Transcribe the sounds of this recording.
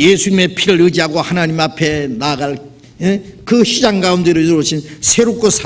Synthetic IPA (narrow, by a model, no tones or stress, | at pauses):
jesʰuɲime̞pʰiɾɯɾɯd͡ʑiɦaɡohanaɲimapʰe̞naɡaɭ | jekɯɕid͡ʑaŋɡaumndɯɾɯɾoɕʰinsʰeɾok͈osʰa